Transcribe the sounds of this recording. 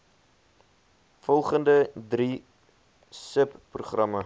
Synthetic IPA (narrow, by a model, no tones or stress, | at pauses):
fɔlˠχəndədri | səpːruχrɐmə